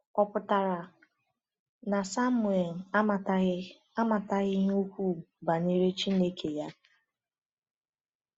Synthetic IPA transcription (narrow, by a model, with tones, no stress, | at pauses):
ɔ˨pʊ˨ta˨ɾa˨ | na˨sa˦mu˨e˨l̩˨˦˨ | a˦ma˨ta˦ɣɪ˦ɲu˦kʷu˦˨ba˨ne˦ɾe˦t͡ʃi˦ne˦kʰe˨ja˦